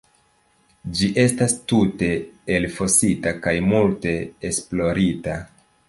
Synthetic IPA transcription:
d͡ʒiʔe̞stastute̞elfo̞sitakajmulte̞ːsplo̞ɾita

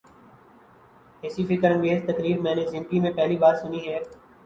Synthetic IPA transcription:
ɦɪsifɪkəɾə̃ŋɡeːzt̪əkɾiːɾmɛ̃ːnezɪ̃mkimẽpɛɦlibaːɾsʊniɦɛː

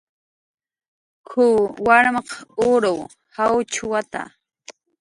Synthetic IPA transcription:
kʰʊwaɾmɑqʊɾaw | hawt͡ʃʊwat̪a̰

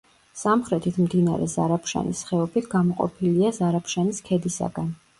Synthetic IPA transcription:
samχɾɛt̪ʰit̪ʰmd̪ina̰ɾɛ̰zaɾapʰʃa̰nisχɛɔpʰit̪ʰɡamɔqʼɔ̰pʰiliazaɾapʃaniskʰɛd̪isa̰ɡ̥an

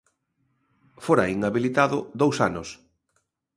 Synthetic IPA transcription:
foɾaiŋaβilit̪aðʊd̪owsanʊs

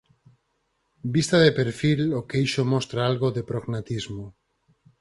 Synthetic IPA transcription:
bist̪aðepeɾfilokejʃomɔst̪ɾaalɣoðepɾoɣnat̪izmo

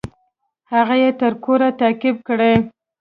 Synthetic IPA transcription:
haɣajet̪əɾkoɾat̪ɑkɪb̚kɽej

